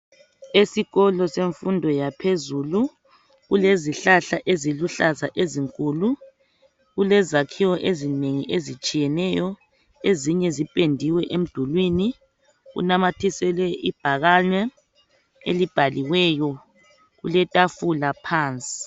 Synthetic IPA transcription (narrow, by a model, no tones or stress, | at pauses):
esiɣɔlɔseɱfundʱɔjapʰezuːlu | ɣuleziɬaɬaʔeziluɬaza̰ʔeziŋkʼuːlu | ɣulɛzakʰiwɔʔezineŋḭʔezit͡ʃʼijɛnɛjɔ | eziɲɛzipʼendʱiwɛʔem̩d̥ʱulwini | ɣṵnamatʰisɛlɛʔib̥ʱaɣaɲwɛ | ḛlib̥ʱaliwɛːjɔ | ɣulɛtʼafulapʰaːnt͡sʼi̥